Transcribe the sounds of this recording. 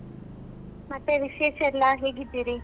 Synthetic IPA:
mɐt̪ːeʋiʃeːʃɐlːaɦeːɡid̪iɾi

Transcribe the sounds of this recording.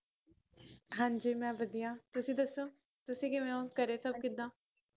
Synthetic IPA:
ɦãːɲd͡ʒiːmɛ̃ːbəd̪ijãːt̪ʊsĩːd̪əsːoː | t̪ʊsĩːkɪmɛ̃ːõːkəɾeːsəb̚kɪd̪ãː

